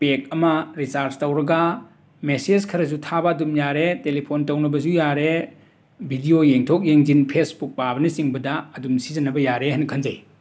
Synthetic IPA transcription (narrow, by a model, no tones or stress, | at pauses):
pek̚ɐmɐɾisaɾstɐwɾɐɡa | mesed͡ʒkʰɐɾɐzutʰabɐːdumjaɾetelipʰontɐwnɐbɐzujaɾe | bʱidiojeŋtʰok̚jeŋzinpʰesbuk̚pabɐnisiŋbɐdɐɐdumsizɐnɐbɐjaɾeɦankʰɐnza̰j